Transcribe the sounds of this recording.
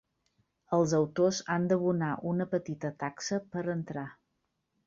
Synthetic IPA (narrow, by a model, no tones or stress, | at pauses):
əlˠzəwt̪ozand̪əβunaʔunəpət̪it̪ət̪aksəpəɾənt̪ɾa